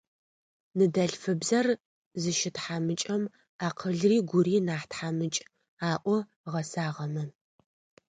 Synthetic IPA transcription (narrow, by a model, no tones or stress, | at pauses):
nɨdɐɬfɨbzɐr | zɨʃɪtħamɨt͡ʃʼɐm | aːqʰəɮriːɡʷʊɾiːnaːħtħamɨt͡ʃʼ | aːʔʷɔ | ʁɐsaːʁɐmɐ